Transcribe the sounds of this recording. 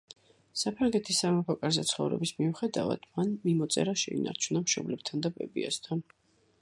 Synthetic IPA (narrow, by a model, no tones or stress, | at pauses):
sapʰɾaŋɡɛt̪ʰisːamapʰɔkʼaɾzɛt̪sʰχɔvɾɛ̰bismiuχɛd̪ava̰d̪̥manmimɔt̪sʼɛ̰ɾaʃɛḭna̰ɾt͡ʃʰunamʃɔblɛb̚t̪ʰand̪abɛbiast̪ʰan